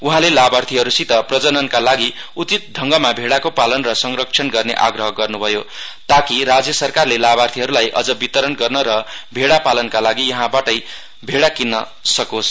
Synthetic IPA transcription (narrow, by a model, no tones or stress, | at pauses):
uɦãlelabart̪ʰiɦʌɾusit̪ʌprʌd͡zʌnʌnkalaɡi | ut͡sit̪̚ɖʱʌŋɡʌmabʱeɽakopalʌnrʌsʌŋrʌk̚t͡sʰʌnɡʌrnḛʔa̰ɡrʌɦʌɡʌrnubʱʌjot̪akiɾad͡zjʌsʌrkarlelabart̪ʰiɦʌɾulajʔʌ̰d͡zʌbit̪ʌɾʌnɡʌrnʌɾʌbʱeɽapalʌnkalaɡijʌɦãbaʈʌj | bʱeɽakinːʌ | sʌkos